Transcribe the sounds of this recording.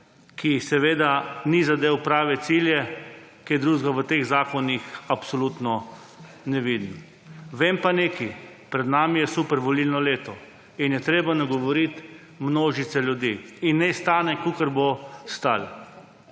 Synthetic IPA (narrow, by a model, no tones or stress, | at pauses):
kʰisɛʋeːd̪anizad̪eːwpɾaːʋɛt̪siljɛkiɛd̪ɾuːʒɡaʋət̪eɣzaːkɔnixapsɔlut̪nɔ | nɛʋid̪n | ʋeːmpaneːkipɾɛd̪naːmijɛsupɛɾʋɔlilnɔleːt̪ɔ | injɛt̪ɾeːbanaɡɔʋɔɾit̪ | mnoːʒit̪sɛljud̪iːnːɛst̪aːnɛkukəɾbost̪al